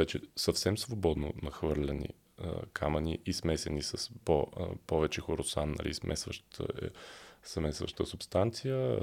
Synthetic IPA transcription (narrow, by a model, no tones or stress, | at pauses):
vɛt͡ʃɛsɐfsɛmsvobɔd̪nonɐxvɤɾlʲɛnḭ | kʰamɐniʔismɛsɛnisəspo̰pɔvɛt͡ʃɛxoɾosannːɐ̰lismʔɛ̰svə̰ʃt̪ʰ | smɛsvə̰ʃt̪əsupst̪ant̪sijə